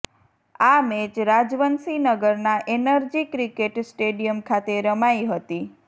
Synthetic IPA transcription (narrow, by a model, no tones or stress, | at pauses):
amed͡ʒɾad͡ʒʋənsinəɡəɾnaʔenəɾd͡ʒikɾikeʈsʈeɖijəmkʰat̪eɾəmaiɦət̪i